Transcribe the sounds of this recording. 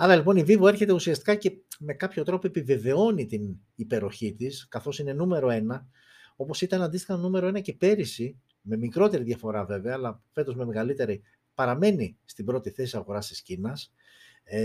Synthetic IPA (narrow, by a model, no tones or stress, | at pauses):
ɐɾɐlipo̞nivivoe̞ɾçe̞t̪e̞usiɐst̪i̥kɐce̞me̞kɐpço̞t̪ɾo̞poepive̞ve̞o̞nit̪in | ipe̞ɾo̞çit̪iskɐθo̞sine̞nume̞ɾo̞e̞nɐ | opo̞sit̪ɐnɐnd̪ist̪i̥xɐnume̞ɾo̞e̞nɐcepe̞ɾisi | me̞mikɾo̞t̪e̞ɾiðʝɐfo̞ɾɐve̞ve̞ɐːlɐfe̞t̪o̞zme̞me̞ɣɐlit̪e̞ɾi | pɐɾɐme̞nist̪ibɾo̞t̪iθe̞siɐɣo̞ɾɐst̪i̥scinɐs